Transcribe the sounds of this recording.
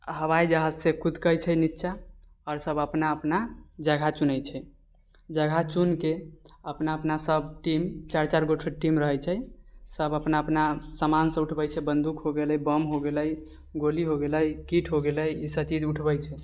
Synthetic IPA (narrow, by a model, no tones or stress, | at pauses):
ɦəβajd͡ʒaɦad͡ʒsekud̪kəjt͡ʃʰɛnitːʃʰa | ɔɾsəbəpnaəpnad͡ʒəɡʱat͡ʃunəjt͡ʃʰɛ | d͡ʒəɡʱat͡ʃunkeəpnaəpnasəbʈimt͡ʃaɾt͡ʃaɾɡoʈʰeʈimɾəɦəjt͡ʃʰɛsəbəpnaəpnasamansə̃uʈʰbəjt͡ʃʰɛbənd̪ukɦoɡeləjbəmɦoɡeləj | ɡoliɦoɡeləjkiʈʰɦoɡeləjisət͡ʃid͡ʒuʈʰbəjt͡ʃʰɛ